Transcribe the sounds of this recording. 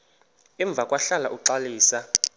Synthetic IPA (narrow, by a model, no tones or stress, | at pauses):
ɛɱb̪vʱakʼwaɬalaʔuǃaliːsa